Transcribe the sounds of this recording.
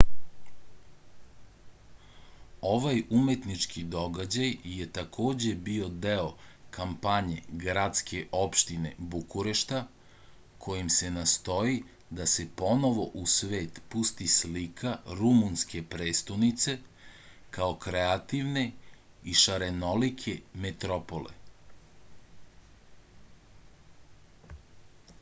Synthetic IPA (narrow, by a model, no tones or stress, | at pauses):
o̞ʋajume̞t̪nit͡ʃkid̪o̞ɡad͡ʑajje̞t̪akʰo̞ːd͡ʑe̞bio̞d̪eokampaɲe̞ɡɾat̪skʰe̞ʔo̞pʃt̪ine̞̰bukuɾeʃt̪a | kʰo̞jimse̞nast̪o̞ji | d̪ase̞po̞no̞ʋo̞ʔusʋe̞ːt̪pust̪islikʰaɾumunske̞pɾeːst̪onit̪se̞ | kaokɾeat̪iʋne̞ | iʃaɾeno̞likʰemet̪ɾopolḛ